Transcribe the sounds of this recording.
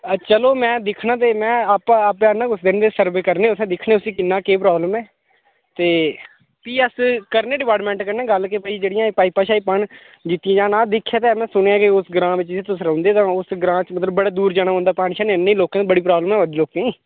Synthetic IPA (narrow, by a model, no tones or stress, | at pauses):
ət͡ʃəloːmɛ̃ːd̪ɪkʰnãːt̪̬eːmɛ̃ːaːpãːpɛnãːkʊsʰd̪eːnːd̪eːsəɾbeːkəɾneːʊsɛ̃ːd̪ɪkʰnẽːʊsĩːkɪnːaːkeːpɾaːbləmɛː | t̪eː | piːəskəɾnẽːɖɪpaːʈmɛ̃ːɳʈkəɾnẽːɡəlkepəiːd͡ʒeːɽɪjãːepaːiːpaːʃaːiːpəɳ | d͡ʒɪt̪ːɪijãːd͡ʒãːnãːd̪ɪkʰːjaːt̪eːmɛ̃ːsʊɽ̃eãːkɪʊsɡɾãːʋɪt͡ʃɪsiːt̪ʊsɾə̃ːnd̪eːt̪ãːʊsɡɾãːt͡ʃmət̪ləbːəɽaːd̪uːɾd͡ʒaːɽ̃aːɦʊːnd̪aːpaːɽʃaːnenːẽiːloːkːãːbəɽiːpɾaːbləmɛːʋəd̪iːloːkẽːiː